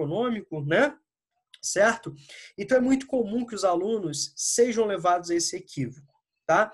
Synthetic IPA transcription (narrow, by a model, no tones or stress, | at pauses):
onõmikʊnɛ | sɛɾt̪ʊẽt̪ɐ̃w̃ɛmũj̃t̪ʊ̥komũkɪʊzalũnʊsːeʒɐ̃w̃levad̪ʊzaesɪekʰivokʊ̥ | t̪a